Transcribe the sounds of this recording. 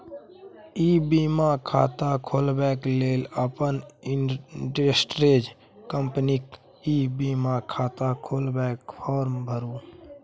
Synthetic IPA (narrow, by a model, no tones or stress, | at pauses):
iːbiːmakʰa̰ːt̪akʰoːlbɛːkleːləpənɪʈɾesʈɾeːd͡ʒ | kəmpnik | iːbiːmaːkʰaːt̪akʰoːlbɛːkpʰɔːɾmbʱəɾuː